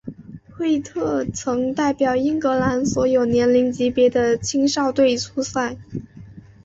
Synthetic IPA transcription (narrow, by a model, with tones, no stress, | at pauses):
xwe˥˧ɪt̪ʰɤ˥˩t͡sʰɤ˧˥ŋt̪a˥˩ɪpjɑ˨˩ʊi˥ŋkɤ˧˥la˧˥nswɔ˧˥jo˨˩ʊnjɛ˧˥nli˧˥ŋt͡ɕi˧˥pjɛ˧˥d̪ə˧t͡ɕʰi˥ŋʂɑ˥˧ʊt̪we˥˩ɪt͡sʰu˥sa˥˩n